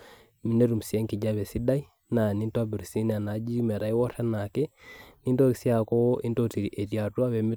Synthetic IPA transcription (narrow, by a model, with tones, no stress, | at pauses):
mi˦ne˦ɾu˨msiɛ˦ŋki˨ɟa˦βɛ˨si˦da˦i˦ | na˨ni˦nta˦bi˨ɾsi˦na˨na˨˦d͡ʒi˦mɛ˨ɾa˨i˦wɔ˦ɾa˦na˨kɛ˦ni˦nto˦ki˨si˦a˨kɔ˦ʔi˦nto˦ti˨ɾi˨ʔe˨ɾja˨twa˦βe˨mi˦